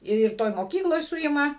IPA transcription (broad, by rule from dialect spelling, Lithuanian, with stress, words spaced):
ɪr ˈtoːj moːˈkʲiːklˠoːj ˈsʊɪmɐ